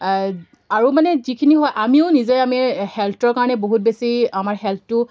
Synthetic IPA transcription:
aɹumanɛzikʰiniɦɔjʔamiʊnizejamihɛltɔɹkaɹɔnɛboɦut̚besiamaɹɦɛlp̚tʊ

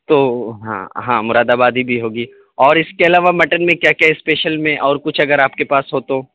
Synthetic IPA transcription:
t̪oːɦã̰ːɦã̰ːmʊɾaːd̪aːbaːd̪ʱibʱiɦoːɡiː | ɔːɾɪskeɐlaːʋamɐʈənmẽkjaːkɛɦɛsːpeːʃəlmẽʔɔːɾkʊt͡ʃʰɐɡəɾaːpkepaːsɦoːt̪ɦõː

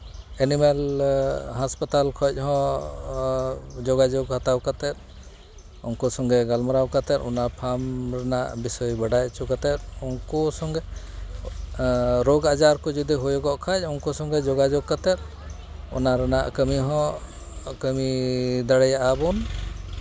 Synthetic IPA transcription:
ɛnimɛl | ɦaspat̪alkʰɔc̚ˀɦɔ̃ | d͡ʒɔɡad͡ʒɔɡhat̪awkat̪ɛt̪̚ | ṵnkɔsɔŋɡɛɡalmaɾawkat̪ɛt̪unapʰamɾɛnaʔbisɔjbəɖajt͡ʃukat̪ɛt̪̚unkɔsɔŋɡɛ | ɾoɡad͡ʒaɾkɔd͡ʒɔd̪iɦujɔɡɔʔkʰac̚ˀunkɔsɔŋɡɛd͡ʒɔɡad͡ʒɔɡ̚kat̪ɛt̪̚ | ṵnaɾɛna̰ʔkəmiɦɔ̃ | kəmid̪aɽɛjaʔabun

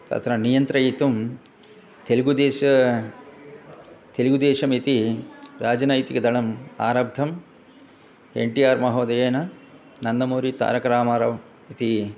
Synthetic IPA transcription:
t̪ɐ̰t̪ɾɐnijɐnt̪ɾɐjit̪um | t̪eliɡud̪eːʃɐ | t̪eliɡud̪eːʃɐmit̪iɾaːd͡ʒɐnɐjt̪ikɐd̪ɐɭɐma̰ːɾɐb̚d̪ʱɐm | ḛɳʈijaːɾmɐɦoːd̪ɐjeːnɐ | nɐnd̪ɐmoːɾit̪a̰ːɾɐkɐɾaːmaːɾɐʋ | it̪i

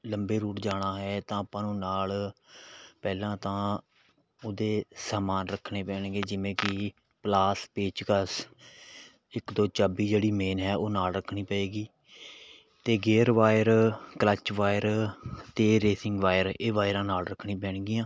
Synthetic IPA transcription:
ləmbeːɾuːʈd͡ʒaːɽ̃aːɦɛːt̪ãːəpãːnũːnaːl | pɛːlãːt̪ãː | ʊd̪eːsaːmaːnɾəkʰːɳeːpɛːɳɡeːd͡ʒɪʋẽːkɪ | plaːspeːt͡ʃkəs | ɪkd̪oːt͡ʃaːbiːd͡ʒeːɽiːmeːnɦɛːʔoːnaːlɾəkʰɳiːpəeːɡiː | t̪eːɡeːɾʋaːjəɾklət͡ʃʋaːjəɾt̪eːɾeːsɪ̃ŋɡʋaːjəɾeːʋaːɪɾãːnaːlɾəkʰɽĩːpɛːɳɡɪjãː

